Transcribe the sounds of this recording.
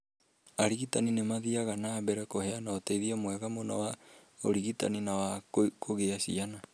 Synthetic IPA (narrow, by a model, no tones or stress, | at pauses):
aɾiɣitaninemaðiaɣanaːbɛɾɛkoheanaoteiðiɛmwɛɣamona̰wa | oɾiɣita̰ninawakʰoɣeasḭana